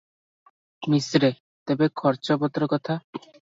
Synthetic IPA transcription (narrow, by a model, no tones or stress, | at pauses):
misɾe | t̪ebekʰɔɾt͡ɕobɔt̪ɾokɔt̪ʰa